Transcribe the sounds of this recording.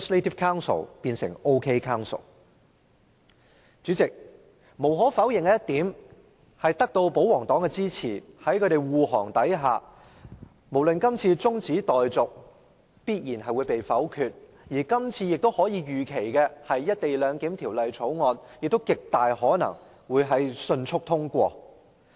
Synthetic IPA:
sle˥tʰi˥fkʰaː˥wnsə̰˨˩wpiː˧nsɪ̰˨˩ŋo˥wkʰe˥jkʰaː˥wnso̰˨˩w | t͡sy˨˥t͡sɪ˨k̚ | mo˨˩wɦɔː˨˥fɐ˨˥wjɪ˨˩ŋkɛ˧˦jɐ˥t̪iː˨˥m | hɐ˨jt̪ɐ˥k̚t̪o˧wpo˨˥wɔː˨˩ŋt̪ɔː˨˥ŋkɛː˧t͡siː˥t͡sʰiː˨˩hɐ˨˥jkʰɵ˨˧ɾe˨jwuː˨ɦɔː˨˩ŋt̪ɐ˨˥jɦaː˨ | mo˨˩wlɵ˨nkɐ˥mt͡sʰiː˧t͡sʊ˥ŋt͡siː˨˥t̪ɔː˨jt͡sʊ˨k̚ | piː˥t̚jiː˨˩nhɐ˨jwuː˨˧jpe˨jfɐ˨˥wkʰyː˧t̚ | jiː˨˩kɐ˥mt͡sʰiː˧jɪ˨k̚t̪o˥whɔː˨˥jiː˨˧ɥyː˨kʰe˨˩jkɛː˧hɐ˨jːɐ˥t̚t̪e˨jlœː˨˧ŋkiː˨˥mt̪ʰiː˨˩wlɐ˨jt͡sʰo˨˥wŋɔː˧njɪ˨k̚t̪o˥wkɪ˨k̚t̪aː˨jhɔː˨˥nɐ̰˨˩ŋ | wuː˨˧jɦɐ˨˥jsɵ˧nt͡ʃʰʊ˥k̚t̪ʰʊ˥ŋkʷɔː˧

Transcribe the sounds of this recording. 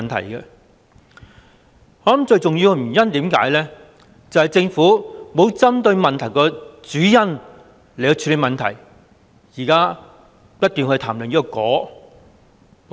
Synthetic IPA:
nt̪ʰɐ̰˨˩jkɛ˧ | hɔː˨˥ɐ˨˥mt͡ʃɵ˧ɥt͡sʊ˨ŋjiː˧wɡɛ˧my˨˩jɐ˥nt̪iː˨˥mka̰ː˨˥jlɛː˥ | t͡sɐ˨whɐ˨jt͡sɪ˧ŋfuː˨˥mo˨˧wt͡sɐ˥mt̪ɵ˧ɥmɐ˨nt̪ʰɐ˨˩jkɔː˧t͡syː˨˥jɐ˥n | le˨jɔ˧t͡ʃʰyː˨˧tle˨˧mɐ˨nt̪ʰɐ̰˨˩j | jiː˨˩kaː˥ | pɐ˥t̚kyː˨nkʰɵ˧t̪ʰaː˨˩mlɵ˨˩ŋjiː˥kɔ˧kɔː˨˥

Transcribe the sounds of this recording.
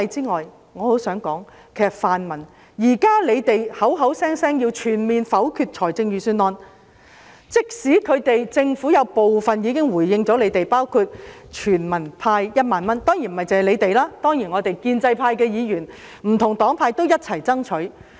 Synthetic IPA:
jt͡siː˥ŋɔː˨j | ŋɔː˨˧ho˨˥wsœː˨˥ŋkɔː˨˥ŋ | kʰe˨˩sɐ˨t̚faː˨nmɐ˨˩n | jiː˨˩kaː˥le˨˧jt̪e˨jhɐ˨˥wɦɐ˨˥wsɛː˥ŋsɛː˥ŋjiː˧wt͡ʃʰyː˨˩nmiː˨nfɐ˨˥wkʰyː˧t̚t͡ʃʰɔː˨˩jt͡sɪ˧ŋjyː˨˩syː˧nlɔː˧n | t͡sɪ˥k̚siː˨˥kʰɵ˨˧ɥt̪e˨jt͡sɪ˧ŋfuː˨˥jɐ˨˧wpo˨wfɐ˨njiː˨˧˥kɪ˥ŋwuː˨˩jːɪ˧ŋt͡sɔː˨˥le˨˧jt̪e˨jpaː˥wkʰu˧t̚t͡ʃʰyː˨˩nmɐ˨˩npʰaː˧jjɐ˥t̚maː˨nmɐ˥nt̪ɔː˥ŋjiː˨˩n̩˨mɐ˨jt͡sɐ˨˧hɐ˨˩le˨˧jt̪e˨jlaː˥t̪ɔː˥ŋjiː˨˩nŋɔː˨˧t̪e˨˩jkiː˧nt͡sɐ˧jpʰaː˧jkɛː˧jiː˨˧jyː˨˩n | m̩˨˩t̪ʰʊ˨˩ŋt̪ɔː˨˥ŋpʰaː˧jt̪o˥wjɐ˥t̚t͡sʰɐ˨˩jt͡sɐ˥ŋt͡ʃʰɵ˨˥ɥ

